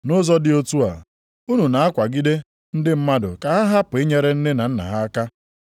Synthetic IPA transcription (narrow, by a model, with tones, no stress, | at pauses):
nʊ˦zɔ˦dɪ˦o˦tu˦a̰˨ | u˦nu˨na˨a˦kʷa˨ɡi˦de˦ | n̩˦dɪ˦m̩˦ma˦dʊ̰˨ka˨ɦa˦ɦa˦pʊ˨e˦ɲe˦ɾe˦n̩˦nɪ˦na˨n̩˦na̰˨ɦa˦a˦ka˦